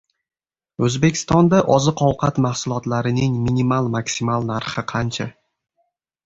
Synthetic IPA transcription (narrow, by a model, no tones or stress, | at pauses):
ɵzbe̞kʲʰɪ̥st̪ɒnd̪aʔɒzɨqʰɒwqʰɑt̪mahsʊlˠɒt̪laɾɪnɪŋminimalˠmaksimalˠnaɾχɨqʰɑnt͡ʃʰa